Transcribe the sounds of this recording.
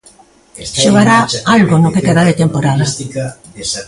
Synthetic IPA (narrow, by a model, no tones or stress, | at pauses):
ʃoɣaɾaalɣonokek̪eðaðet̪empoɾal